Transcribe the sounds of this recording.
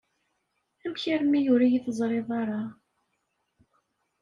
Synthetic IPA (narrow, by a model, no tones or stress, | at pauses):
æmçəɾmːijʊɾijiθəzˤɾˤeðˤɑɾˤɑ